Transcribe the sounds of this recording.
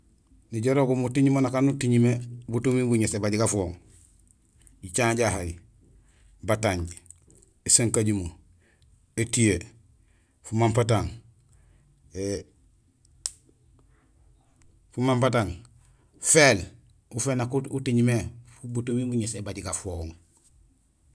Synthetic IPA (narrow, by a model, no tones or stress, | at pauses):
niɟoɾokumutiɲimonakanutiɲimebutumibuɲesebaɟiɡafoŋ | ɟit͡ʃaːɲɟahaji | bataɲɟ | esaŋkaɟimu | etije | fumampat̬aŋ | e | fumampataŋ | fel | ufeːnakuutiɲimefubutumiɡuɲesebaɟiɡafoŋ